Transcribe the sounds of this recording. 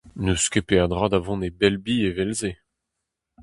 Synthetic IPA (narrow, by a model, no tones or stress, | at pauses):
nøskepeaʁd̪ʁad̪avɔ̃nebɛlbievɛlze